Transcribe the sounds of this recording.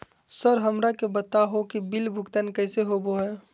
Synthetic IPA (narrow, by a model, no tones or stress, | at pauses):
səɾɦəmɾakebət̪aɦokibilbʱʊkt̪ankɛːseɦoboɦɛː